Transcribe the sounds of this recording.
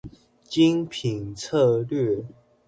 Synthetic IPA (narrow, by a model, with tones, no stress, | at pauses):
t͡ɕi˦˥ŋpʰi˨˩nt͡sʰɤ˥˧lɥɛ˥˨